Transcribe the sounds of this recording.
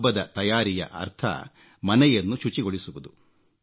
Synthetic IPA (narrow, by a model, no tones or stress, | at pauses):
bɐd̪ɐt̪ɐjaːɾijɐ̰ʔɐ̰ɾt̪ʰɐ̰ | mɐnɛjɐnːuʃut͡ʃiɡoɭisuʋud̪u